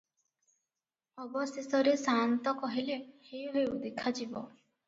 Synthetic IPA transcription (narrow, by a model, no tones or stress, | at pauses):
ɔbɔsesɔɾesant̪ɔkɔɦilehejuɦewud̪ekʰad͡ʒibɔ̰